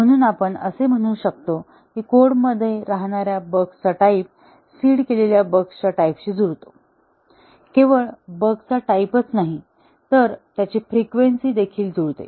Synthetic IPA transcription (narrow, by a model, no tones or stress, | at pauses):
m̤əɽ̃uːnapəɳəsem̤əɽ̃uːɕək̚t̪o | kikoɽməd̪ʱːjeɾaɦɳ̃aɾjabəɡst͡saʈaip̚ | siːɽkeleljabəɡst͡ɕaʈaipɕiːd͡zuɾt̪o̥ | keʋəɭbəɡt͡saʈaipət͡snaɦi | t̪əɾt̪jat͡ɕifɾikʋensiːd̪ekʰiːld͡zuɾt̪ḛ